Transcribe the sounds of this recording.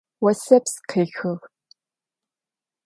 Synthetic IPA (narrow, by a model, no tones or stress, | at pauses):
wɐsɐpsqʰeːxɨʁ